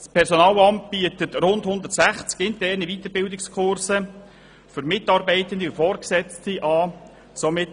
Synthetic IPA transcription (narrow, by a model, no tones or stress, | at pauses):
spʰɛɾsɔnɑːlɑmt̚b̥iətətrʊndhʊnd̪ətsæχt͡sɡɪntɛrnivit̪əɾbɪldɪkskʰχʊɾsə | fʏɾmɪtɑːɾbɛɪtəndiʊfɔːrksɛt͡stiʔɑː | somɪt